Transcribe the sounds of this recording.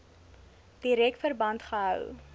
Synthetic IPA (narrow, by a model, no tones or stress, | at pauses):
d̥iɾɛktfərbɐntχəɦœw